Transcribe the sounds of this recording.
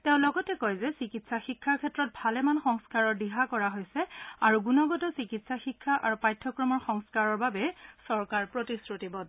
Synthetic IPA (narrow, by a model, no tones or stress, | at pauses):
tɛʊ̃nlɔɡɔtɛkɔjzɛsikitsaxikʰːaɹkʰɛtɹɔt̚bʱalɛmanxɔŋskaɹɔɹdiɦakɔɹaɦojsɛaɹuɡunɔɡɔtɔsikitsaxikʰːaʔaɹupajtʰːɔkɹɔmɔɹxɔŋskaɹɔɹbabɛsɔɹkaɹpɹotisɹutibɔt